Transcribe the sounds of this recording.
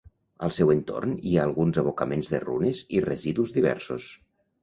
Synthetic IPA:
ə̰lˠsɛwent̪o̰rniaːlˠɣunzəβ̞okəmenzðə̰rṵnezirəziðuzðiβɛ̰ɾsos

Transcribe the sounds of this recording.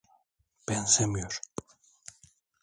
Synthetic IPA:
b̥ɛnsemijoɾ

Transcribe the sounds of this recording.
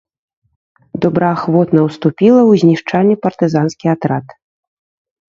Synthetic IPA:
d̪ɔbɾɐaxvɔt̪nɐwst̪upʲilˠɐwzʲnʲiʂt͡ʂanʲːɛpɐrt̪ɨzanskʲiat̪ɾat̪

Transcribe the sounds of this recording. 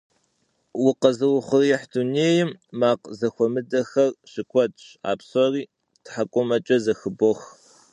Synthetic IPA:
wʊqɐzɨwʊχʷʊrjɛħdʰuneːjɪmːaːqzɐxʷɔmɨdɐxɐrɕɪkʷʰɔtʼa̰ːpsɔriː | tʰħakʷʼʊmɐt͡ʃʼɐzɐxɨbox

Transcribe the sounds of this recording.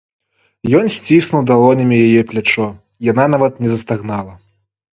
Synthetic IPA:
jɔnsʲt͡sʲisnuwd̪alˠɔnʲɐmʲijajɛplʲat͡ʂɔ | jananavɐt̪nʲɛzɐst̪aɣnalˠɐ

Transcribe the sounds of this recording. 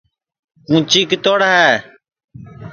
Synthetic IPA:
kũːt͡ʃiːkt̪oːɽaɦɛː

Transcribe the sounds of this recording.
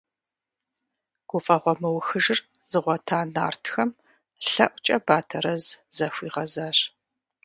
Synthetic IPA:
ɡ̥ʷʊfʼɐʁʷɔmɐwxɨʒɪr | zɨʁʷɔtʰaːna̰ːrtʰxɐm | ɬɐ̰ʔʷt͡ʃʼɐbaːtʰɐɾɐzz̥ɐfʷiːʁɐzaːɕ

